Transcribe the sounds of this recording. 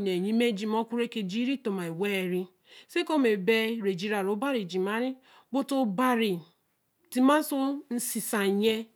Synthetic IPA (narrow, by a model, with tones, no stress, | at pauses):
ne˨ɲi˦me˦d͡ʒi˨m˦ɔ˦kʷu˦ɾe˦ke˨d͡ʒi˦ɾi˦to˨ma˨i˨we˦˨ɾi˦ | se˦ko˦me˨be˦ɾe˨d͡ʒi˦ɾa˨ɾo˨˦ba˦ɾi˨d͡ʒi˨ma˦ɾi˦ | ɡ͡bo˦to˦ba˦ɾi˨ | ti˦ma˦su˦n̩˦si˨sa˨ɲe˦